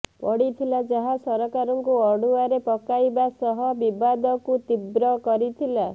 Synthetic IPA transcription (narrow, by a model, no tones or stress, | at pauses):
pɔɽit̪ʰilad͡ʒaɦasɔɾɔkaɾɔŋkuɔɽuaɾepɔkajbasɔɦɔbibad̪ɔkut̪ibɾɔkɔɾit̪ʰila